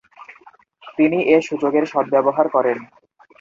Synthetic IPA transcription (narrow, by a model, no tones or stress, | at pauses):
t̪iniʔeʃud͡ʑoɡeɾʃɔbːɛboɦaɾkɔɾen